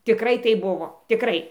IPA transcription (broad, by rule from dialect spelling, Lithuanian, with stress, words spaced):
tʲɪˈkrɐɪ ˈtɐɪp ˈbʊʋoː tʲɪˈkrɐɪ